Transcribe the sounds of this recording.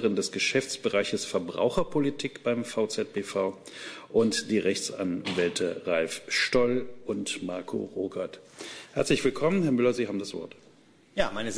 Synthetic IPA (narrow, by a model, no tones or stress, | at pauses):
əʁɪndɛsɡ̥əʃɛft͡sb̥əʁaɪçəsfɛɐbʁa̰ʊxɐpʰolitʰiːkb̥aɪmfaʊt͡sɛt̚b̥eːfaʊʔʊntd̥iːʁɛçt͡sa̰nvɛltʰəʁalfʃtɔlʔʊntmaɐkʰo̰ʁoːkʰɐthɛɐt͡slɪçv̥ɪlkʰɔmənhɛɐmʏlɐziːhaːbm̩dasv̥ɔ̰ɐt | jaːmaɪnə